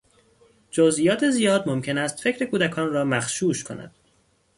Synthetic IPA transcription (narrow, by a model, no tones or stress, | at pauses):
d͡ʒozʔiːjɒːt̪ʰezijɒːd̪momcʰe̞næst̪fe̞cʰɾe̞kʰuːd̪ækʰɒːnrɒːmæxʃuːʃkʰo̞̰næ̰d̪̥